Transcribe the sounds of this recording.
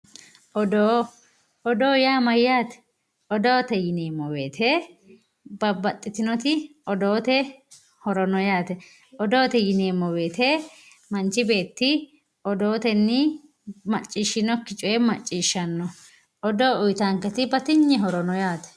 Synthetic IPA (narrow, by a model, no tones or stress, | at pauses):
ʔɔd̪oː | ɔd̪o̞ːjaːmɐjːaːt̪ɛ̥ | ɔd̪o̞ːt̪ɛjɪneːmːɔwe̞ːt̪ʰeː | bɐbɐt̪ʼːɪt̪ɪnɔt̪ɪɔd̪oːt̪ɛ | hɔɾɔnɔjaːt̪ɛ | ɔd̪o̞ːt̪ɛjɪneːmːɔwe̞ːt̪eː | mɐnt͡ʃɪbe̞ːt̪ːɪ | ɔd̪o̞ːt̪ɛnːɪ | mɐt͡ʃʼːiːʃːɪnɔkːɪt͡ʃʼʊjɛmɐt͡ʃʼːiːʃːɐnːɔ | ʔɔd̪o̞ːʊjt̪aŋkɛt̪ɪbɐt̪ɪɲːɛɦɔɾɔnɔjaːt̪ɛ̥